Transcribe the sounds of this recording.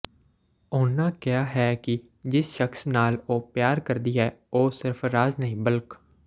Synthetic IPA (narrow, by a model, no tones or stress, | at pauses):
ʊnːãːkɪaːɦɛːkɪ | d͡ʒɪsʃəkʰsnaːloːpjaːɾkəɾd̪iːɦɛːoːsɪɾpʰɾaːznəĩːbəlk